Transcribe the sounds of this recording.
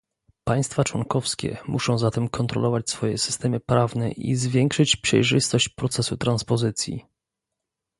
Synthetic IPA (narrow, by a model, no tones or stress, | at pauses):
paj̃st̪fat͡ʂwɔŋkɔfskʲɛ̰mʔuʂɔ̃w̃zat̪ɛmkʰɔnt̪ɾɔ̰lɔvat͡ɕsfɔjɛ̰sɘ̥st̪ɛmɘpɾavnɛʔḭzvʲjɛŋkʂɘt͡ɕpʂɛ̰jʐɘst̪ɔɕt͡ɕpɾɔt̪sɛsut̪ɾanspɔzɘt̪sʲjḭ